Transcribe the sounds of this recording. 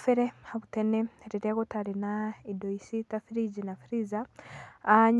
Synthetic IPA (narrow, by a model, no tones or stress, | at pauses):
fɛɾehaβutɛneɾiɾɛɣɔtaɾinaidoisitafiɾid͡ʒinafiɾizaː | ɲ